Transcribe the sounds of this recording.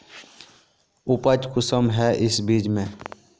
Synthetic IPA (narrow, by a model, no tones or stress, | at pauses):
ʊpəd͡ʒkʊsəmɦɛːʔɪsbiːd͡ʒmẽ